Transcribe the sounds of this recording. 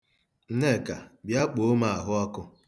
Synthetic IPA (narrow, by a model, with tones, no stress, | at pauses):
n̩˦ne˦˨ka˨bja˦k͡po˦ma˨a˨ɦʊ˦ɔ˦kʊ˦